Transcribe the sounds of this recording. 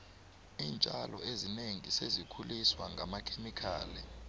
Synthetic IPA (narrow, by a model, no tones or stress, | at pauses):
iːnt͡ʃʼalɔ̰ezineŋisezikʰuliswaŋɡʱamakʰemikʰa̰ːlɛ